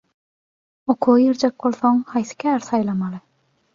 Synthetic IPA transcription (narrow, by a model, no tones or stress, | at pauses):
oqʰujiɾd͡ʒek̚bolˠθoŋhɑjθi̥kʲʰæːɾsɑjlˠɑmɑlˠɯ